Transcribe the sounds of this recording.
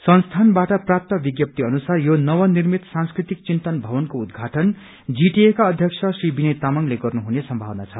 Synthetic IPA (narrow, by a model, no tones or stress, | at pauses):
sʌnst̪ʰanbaʈʌprap̚t̪ʌbiɡjʌp̚t̪iʌnusarjonʌwʌnirmit̪sãnskrit̪ik̚t͡sint̪ʌnbʱʌβʌnkoud̪ɡʱaʈʌn | d͡ziʈiekaʌd̪ʱjʌk̚sʰʌsribinet̪amʌŋleɡʌrnuɦunesʌmbʱawnat͡sʰʌ